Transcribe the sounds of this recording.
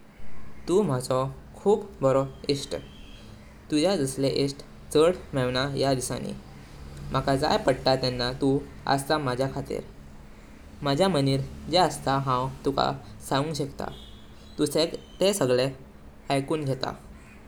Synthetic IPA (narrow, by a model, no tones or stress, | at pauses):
t̪uːm̤ad͡zɔ | kʰuːpbɔɾɔisʈ | t̪ud͡ʑad͡zəsleʔisʈ | t͡səɽmɛʋnajad̪isã̰nḭ | m̤akad͡za̰jpəɽʈ̪at̪ɛnːat̪u | ə̰st̪amad͡ʑʱjakʰat̪ḭɾ | mad͡ʑʱjaməniːɾd͡ʑeəst̪aɦãwt̪uka̰sãũŋɡɕekt̪a̰ | t̪usekt̪esəɡɭe | əjkuːnɡʱɛt̪a̰